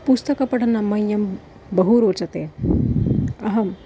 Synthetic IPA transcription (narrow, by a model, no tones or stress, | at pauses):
pust̪ɐkɐpɐʈʰɐnɐmɐjːɐm | bɐɦuɾoːt͡ʃɐt̪eː | ɐɦɐm